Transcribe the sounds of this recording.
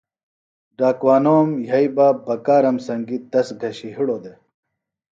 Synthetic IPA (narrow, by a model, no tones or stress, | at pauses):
ɖaːkwaːnoːmjɐibaːbɐkaːɾɐmsɐŋɡit̪̚d̪ɐsɡʱɐɕiɦiɽoːd̪e